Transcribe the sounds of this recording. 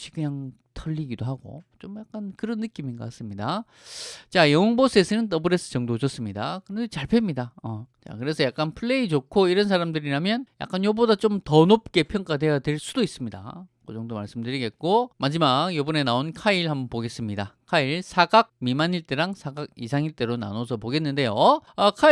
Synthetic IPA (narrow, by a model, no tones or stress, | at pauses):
ɕʰikɯɲaŋ | tʰʌʎːiɡidoɦaɡo̰t͡ɕomjak̚k͈ankɯɾʌnːɯk͈iminkʌk͈as͈ɯmɲida | t͡ɕajʌŋʌŋbos͈ʰesʰɯnɯnt̬͈ʌbɯɾe̞s͈ʰɯ̥t͡ɕʌŋdod͡ʑʌs͈ɯmɲidakɯɾʌndet͡ɕaɭpʰe̞mɲidaʌt͡ɕa̰kɯɾe̞sʰʌjak͈anpʰɯɭːe̞it͡ɕokʰoiɾʌns̬ʰaɾamdɯɾiɾamjʌnja̰k͈anjʌbodat͡ɕomtʌnop̚k͈e̞pʰjʌŋk͈ade̞jadweɭs͈udois͈ɯmɲida̰kɯd͡ʑʌŋdomaɭs͈ɯmdɯɾiɡe̞t̚k͈omad͡ʑimaɡjobune̞naonkʰaiɭhambʌnpoɡe̞s͈ɯmɲidakʰaiɭsʰaɡak̚mimaɲiɭt͈eɾaŋsʰaɡaɡisʰaŋiɭt͈e̞ɾona̰nosʰʌpoɡe̞nːɯnde̞joʌkʰai